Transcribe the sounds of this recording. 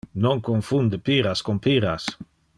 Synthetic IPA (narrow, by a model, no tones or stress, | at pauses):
noŋkoŋfund̪epiɾaskompiɾas